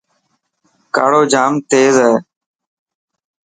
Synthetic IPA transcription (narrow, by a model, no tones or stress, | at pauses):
ka̰ːɽoːd͡ʒaːmt̪eːzɦɛː